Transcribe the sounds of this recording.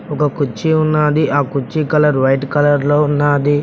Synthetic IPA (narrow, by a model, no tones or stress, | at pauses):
ɔkɐkut͡ʃːiunːaːd̪iʔaːkut͡ʃːikɐlɐɾʋɐjʈkɐlɐɾloːunːaːd̪i